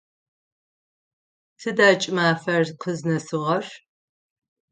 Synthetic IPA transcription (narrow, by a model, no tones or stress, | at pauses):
tʰɨdaːt͡ʃʼɪmaːfɐrqʰəznɐsɨʁɐr